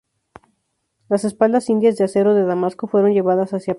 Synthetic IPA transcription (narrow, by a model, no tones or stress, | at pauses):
lase̞spald̪asind̪jazðease̞ɾo̞ðe̞ðamasko̞fwe̞ɾo̞nd͡ʒe̞βaðasasja